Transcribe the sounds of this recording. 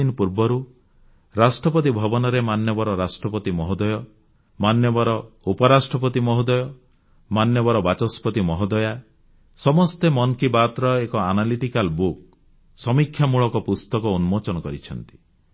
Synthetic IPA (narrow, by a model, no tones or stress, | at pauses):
inɔpuɾbɔɾu | ɾasʈɾɔpɔt̪ibʱɔbɔnɔɾemanjɔbɔɾɔɾasʈɾɔpɔt̪imɔɦɔd̪ɔjɔ | manjɔbɔɾɔupɔɾasʈɾɔp̬ɔt̪imɔɦɔd̪ɔjɔ | manjɔbɔɾɔbat͡ʃɔspɔt̪imɔɦɔd̪ɔja | sɔmɔst̪emɔnkibat̪ɾɔekɔanaliʈikalbuk | sɔmikʰːjamuɭɔkɔpust̪ɔkɔunmot͡ʃɔnɔkɔɾḭt͡ʃʰɔnt̪i̥